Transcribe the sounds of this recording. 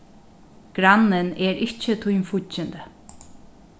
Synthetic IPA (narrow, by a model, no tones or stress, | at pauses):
ɡ̥ɾanːɪnɛɾɪht͡ʃːət̪ʰujmfʊt͡ʃːɪnd̪ə